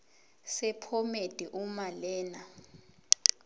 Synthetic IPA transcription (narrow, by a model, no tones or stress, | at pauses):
sɛpʰɔmed̥ʱiʔumalɛːna